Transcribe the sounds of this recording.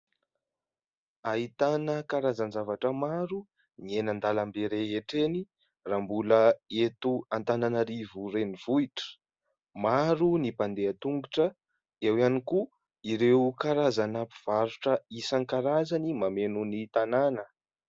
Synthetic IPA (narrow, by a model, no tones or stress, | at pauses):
aɦit̪anəkaɾazanzavaʈ͡ʂəmaɾu | nienand̪alambeɾeɦeʈ͡ʂeni | rambuləet̪uant̪ananəɾivuɾeniv̥uiʈ͡ʂə̥ | maɾunipand̪eat̪uŋɡuʈ͡ʂə | ewianiku | iɾekaɾazanapiv̥aɾuʈ͡ʂəisaŋkaɾazanimamenunit̪ananə